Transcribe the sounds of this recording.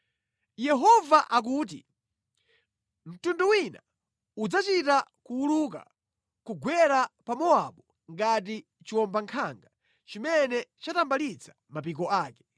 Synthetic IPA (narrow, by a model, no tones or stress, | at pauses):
jɛɦɔvaʔak̬uːt̬i | m̩tunduwina | ud͡zat͡ʃitakuuluk̬a̰ | kuɡwɛɾapamɔaɓɔ | ŋɡat̬i | t͡ʃiwɔmbaŋkʰaŋɡa | t͡ʃimɛnɛt͡ʃatambalit͡sʰḁ | map̬ikɔaːkɛ̥